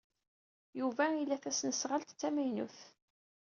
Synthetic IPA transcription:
juvæilːæθæsnəsʁəlt̪t͡sːæmæjnṵθ

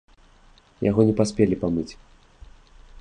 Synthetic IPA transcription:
ja̰ɣɔnʲɛpasʲpʲelʲipamɨt͡sʲ

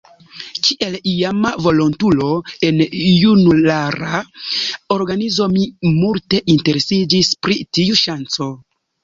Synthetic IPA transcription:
kʰiʔelijamavo̞lontulo̞e̞njunulaɾa | oɾɡanizo̞mimulte̞ʔinte̞ɾe̞sid͡ʒispɾitiuʃant͡so̞

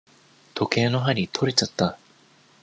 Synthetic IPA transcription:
t̪ʰo̞ke̞ːno̞ɦaɾʲit̪ʰo̞ɾʲet͡ɕat̪ːa

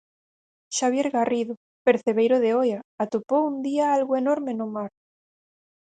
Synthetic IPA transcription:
ʃaβ̞jeɾɣariðo | peɾθeβejɾoðeojaat̪opowund̪iaalɣoenoɾmenomaɾ

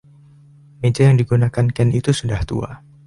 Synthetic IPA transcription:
med͡ʒajaŋdiɡunakankɛnit̪usudaht̪ṵa̰

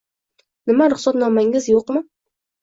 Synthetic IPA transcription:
nɪmaɾɪχsɒt̪nɒmaŋɪzjoqmɪ

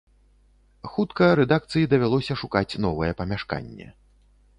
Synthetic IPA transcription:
xut̪kɐɾɛd̪ak̚t̪sɨjid̪ɐvʲalˠɔsʲɐʂukat͡sʲnɔvɨjɛpɐmʲaʂka̰nʲːɛ̰

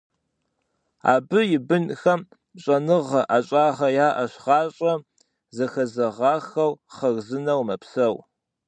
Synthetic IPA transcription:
a̰ːbɨjɪbɨnxɐm | ɕʼɐnɨʁɐʔaɕʼɑːʁɐjaːʔɐɕʁɑːɕʼɐ | zɐxɐzɐʁɑːxɐwχɐɣzɨnɐwmɐpsɐw

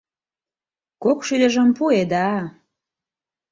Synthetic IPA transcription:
kokʃyd̪əʒə̆mpued̪ɑ

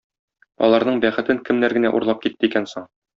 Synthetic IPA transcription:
ɒ̰lˠɑɾnɤɴbæχɘ̆t̪ɘŋkɘ̆mnæɾɡɘ̆næʔṵɾlˠɑp̚kit̪ːɘikænsoɴ

